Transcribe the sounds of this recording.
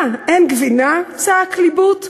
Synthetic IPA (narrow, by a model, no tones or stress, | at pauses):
ɛnɡvinat͡saaklibut